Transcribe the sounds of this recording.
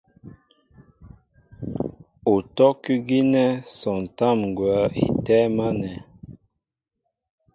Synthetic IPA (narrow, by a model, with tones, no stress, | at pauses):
o˨tɔ˦ki˦ɡi˦nɛ˦sɔ˨n˨ta˦˨mŋ˨ɡwa˨˦ḭ˨tɛ˦ma˦nɛ˨